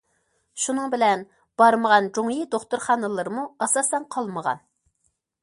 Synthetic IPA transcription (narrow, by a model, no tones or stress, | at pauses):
ʃunɨŋbɪlɛn | b̥ɑɾməʁɑnd͡ʒoŋjid̪oχt̪uɾχɑːnɨlˠɨɾɨmuɑsɑsɛnqʰɑlˠməʁɑ̰n